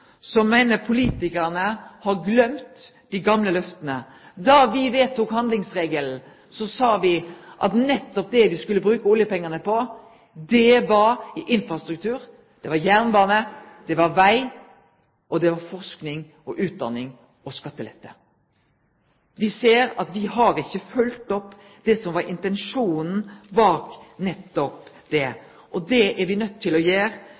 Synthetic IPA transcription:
sɔmæɪnəpʰʊliːt̪ɪkəʁnəhɑɾɡlœmt̪ | d̪̥ɪɡɑmləlœft̪ənə | d̪ɑʋɪʋeːt̪ʰːukhɑnd̪lɪŋsʁeːɡəln̩ | sɔsɑːʋɪʔɑ̰t̪nɛt̪ːɔp̚d̪ɛʋɪskʉlːəbɾʉːkəʊljəpɛŋːənəpʰɔ | d̪ɛʋɑɾʔɪnfɾɑst̪ɾʉkt̪ʰʉːɾ | d̪̥ɛʋɑjæʁnbɑːnəd̪̥ɛʋɑɾʋæɪ | ʔɔd̪ɛʋɑɾfɔʁsknɪŋ | ɔʔʉːt̪̚d̪ɑ̰nːɪŋ | ɔskɑt̪ːəlɛ̰t̪ːə̰ | ʋɪseːɾɑt̪ʋɪɦɑɾɪçːəfœlt̪ɔpː | d̪̥ɛsɔmʋɑɾɪnt̪ɛnʂuːnn̩bɑːknɛt̪ːɔp | d̪ɛ | ʔɔd̪ɛʔæɾʋɪnœt̪ʰːɪlɔjeːɾ

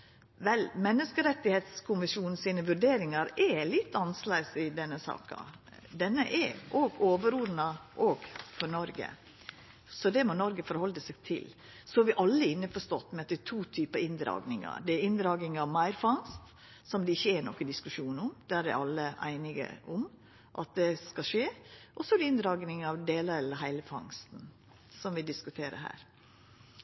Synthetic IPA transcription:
ʋɛlmɛnːəskəɾɛt̪ːɪheːt̪skʰʊnʋɪsuːnn̩siːnəʋʉɾɖeːɾɪŋɑɾɛlɪt̪ːɑnslæɪsɪd̪ɛnːəsɑ̰ːkɑ̰ | d̪ɛnːə̰ʔɛɾʔoːɡoːʋəɾʊɾnɑʔoːɡfɔɾnɔɾɡə̰ | sɔd̪ɛmɔnɔɾɡəfɔɾhɔld̪əsɛɡt̪ʰɪ̰l | sɔʋɪʔɑlːəɪnːəfɔʂt̪ɔt̪ːmɛɛt̪ːɛt̪ʰuːt̪ʰyːpəɪnd̪ɾɑ̰ːɡnɪŋɑ̰d̪ɛæɾɪnd̪ɾɑːɡnɪŋɑʋmæɪɾfɑŋst̪ | sɔmd̪ɛɪçːəɛnɔkːəd̪ɪskʉʂuːnʊmd̪̥æɾæɑlːəʔæ̰ɪnɪɡə̰ʔʊm | ʔɑ̰t̪̚d̪ɛskɑʂeːʔɔsɔɾɪɪnd̪ɾɑːɡnɪŋɑʋd̪eːlɑɾɛləɦæɪləfɑ̰ŋst̪n̩ | sɔmʋɪd̪ɪskʉt̪ʰeːɾə̰ɦæ̰ːɾ

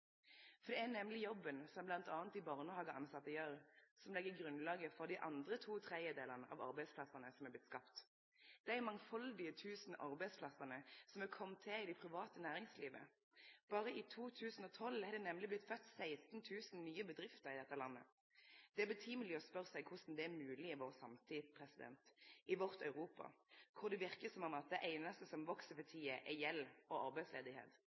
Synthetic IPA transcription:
fɔʁd̪ɛæʁnɛmlɪjɔbːənsɔmblɑnt̪ɑːnt̪ɪbɑʁnəhɑːɡəʔɑnsɑt̪ːəjøɾsɔmlɛɡəɡʁʉnlɑːɡəfɔʁd̪ɪʔɑ̰nd̪ʁət̪ʰuːt̪ʰʁɛd̪jəd̪eːlənəʔɑ̰ʋɑ̰ʁbæɪspʰlɑsənəsɔmæːb̪ɪt̪skɑpt̪ | d̪̥ɛæmɑŋfɑld̪ɪət̪ʰʉːsn̩ɑʁbæɪspʰlɑsənəsɔmækʰɔmt̪ʰːɛɪd̪ɪpʰʁɪʋɑːt̪ənæːʁɪŋsliːʋə̰ | b̥ɑːʁəɪt̪ʰuːt̪ʰʉːsn̩ɔt̪ʰɔlɛɾd̪ɛnɛmlɪblɪt̪fœt̪ːsæɪst̪n̩t̪ʰʉːsn̩nyːəbəd̪ʁɪft̪əʁɪd̪ɛt̪ːəlɑnːə̰ | d̪̥ɛæbət̪ʰiːməlɪɔspœʁsæɪɡkʰhʊsn̩d̪ɛæɾmʉːlɪɪʋoːʁsɑmt̪ʰɪd̪pʰʁɛsɪd̪ɛ̰nt̪ɪʋɔʁt̪œʉʁuːpɑ̰kʰʊʁd̪ɛʋɪʁkəsɔmɑmɑt̪̚d̪ɛʔeɪnɑst̪əsɔmʋɔksəpɑt̪ʰiːəʔɛjɛlɔɑɾbæɪslḛːd̪ɪhḛːt̪

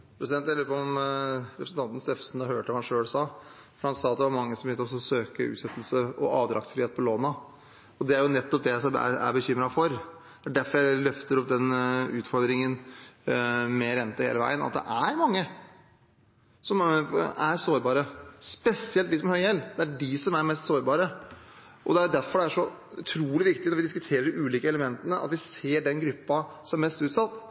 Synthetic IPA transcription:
pɾɛsɪd̪ɛnt̪hɛlːəɾpɔmɾɛpɾsən̩t̪ɑnt̪n̩st̪eːfsn̩ɑhøːʈəʋɑhɑnʂøːɭsɑː | fɔɾɾhɑnsɑːɑt̪̚d̪ɛʋɑɾmɑŋːəsɔmjɪlt̪ːɔs̬ɔsøːkəʉ̰ːt̪sɛt̪ːl̩səɔʔɑːʋd̪ɾʔɑ̰ktsfɾiːeːt̪pʰɔloːnə | ɔd̪ɛæɾjʊnɛt̪ːɔp̚d̪ɛsɔæ̰æ̰ɾbəçʏmːɾɑfɔɾ | d̪̥ɛæɖæɾfɔɾjæɪlœft̪əɾɔpd̪ɛnʉːt̪fɔɾd̪ɾɪŋən | meːɾɛnt̪ːəhḛːləʋæ̰ɪənɑ̰t̪̚d̪ɛ̰ʔæɾmɑŋːə | sɔmæɾsoːɾbɑːɾəspɛsɪɛlt̪ɪksmɛhœʏjɛlːd̪̥ɛæɖɪsɔmæɾmɛst̪soːɾbɑːɾə | ʔɔd̪ɛæɾjʊd̪æɾfɔɖɛæʂɔʉ̰t̪ʰɾuːlɪʋɪkt̪ɪnɔɾʋɪd̪ɪs̬kʉt̪ʰeːɾəɖɪʔʉːliːkəɛləmɛnt̪ənəʔɑ̰t̪ʋɪseːɖɛnɡɾʉpːɑsɔmæɾmɛst̪ʉːt̪sɑt̪ː

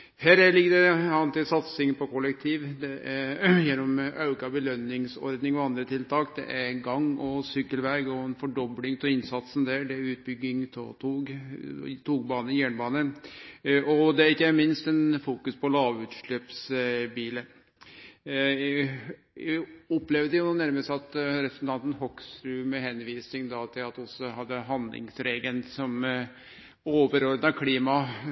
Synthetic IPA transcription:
hæːɾæɭɪɡːəd̪ɛɑnt̪ʰɪsɑt̪sɪŋpʰɔkʰɔlːɛk̚t̪ʰiːʋd̪ɛʔæɾjɛnːɔmɑʉkɑbəlœnɪŋsɔ̰ɾd̪nɪŋɔɑnd̪ɾət̪ʰɪlt̪ʰɑːkd̪ɛ̰ʔæɾɡɑŋɔsʏkːəlʋæɾɡɔɛnfɔɖɔblɪŋt̪ʰɔɪnsɑt̪sn̩d̪æɖɛʉːt̪̚bʏɡːɪŋt̪ʰt̪ʰuː | t̪ʰuːɡbɑːnəjæːɳbɑːnə | ʔɔd̪ɛæɾɪkːəmɪnst̪ɛnfuːkʉspʰɔlɑːʋʉːt̪ʂɭøːpsbiːlə | ɔplɛʋd̪əjʊnuːnæɾməst̪ɑt̪ɾɛpɾəsn̩t̪ʰɑnt̪n̩hɔksɾʉːmɛɦɛnʋiːsnɪŋd̪ɑt̪ʰɪlɑt̪ɔsːɔɦɑd̪ːəɦɑnd̪lʔɪ̰ŋsɾeːɡənsɔm | oːʋəɾɔɾd̪nɑkʰliːmɑ

